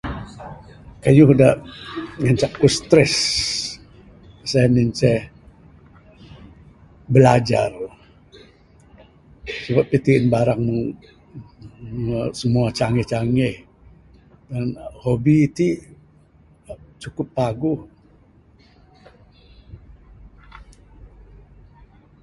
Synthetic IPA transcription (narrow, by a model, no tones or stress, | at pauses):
kajuhuda | ŋant͡ʃaʔkust̪ɾɛs | sanint͡ʃɛ | bəlad͡ʒa̰r | səbap̚ːət̪iɪnbaɾaŋmuŋ | səmuat͡ʃaŋɛht͡ʃaŋɛh | danhobiːt̪i | t͡ʃukʊpːaɡʊh